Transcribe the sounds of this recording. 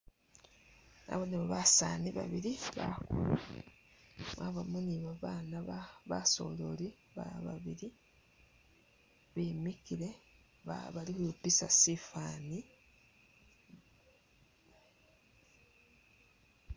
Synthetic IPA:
na̰βonemuβasaniβa̰βiɾiβa̰kulu | maβamuniβaβaːnaβaso̞̰loli | βa̰βa̰βiɾi | βeːmikiɾe̞ | βaβalikuupisa̰sifaːni

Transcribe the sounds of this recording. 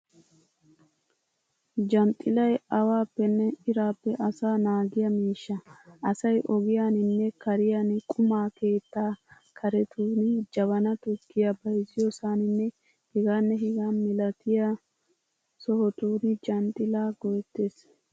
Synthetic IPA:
d͡ʒɐnt̪ʼːɪlɐjɐwaːpːɛnːɛɪɾaːpːɛʔɐsaːnaːɡɪjɐmiːʃːɐʔɐsɐjʔɔɡɪjaːnɪnːɛkɐɾɪjanɪkʼʊmaːkeːt̪ːaː | kʰɐɾɛt̪uːnɪd͡ʒɐβɐnɐt̪ʊɡːɪjɐbɐjzɪjɔsaːnɪnːɛ | hɪɡaːnːɛɦɪɡaːmɪlɐt̪ɪja | sɔhɔt̪uːnɪd͡ʒɐnt̪ʼːɪlaːɡɔjt̪ːeːs

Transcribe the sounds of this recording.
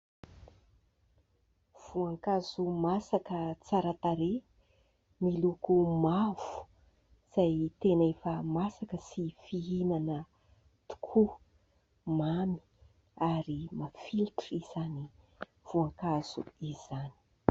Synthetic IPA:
v̥uaŋkazumasakət͡saɾat̪aɾe | milukumav̥u̥ | z̥ajt̪enefəmasakəsifiinanə | t̪u̥kʰu | mami̥ | aɾimafilʈ͡ʂiz̥ani | v̥uaŋkaz̥ṵiz̥ani̥

